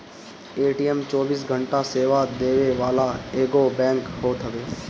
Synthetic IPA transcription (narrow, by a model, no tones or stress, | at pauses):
eːʈiːɛmt͡ʃɔːbiːsɡʱə̃ɳʈaseːʋad̪eːʋeʋaːlaeːɡobɛ̃ːŋkhoːt̪ɦəʋeː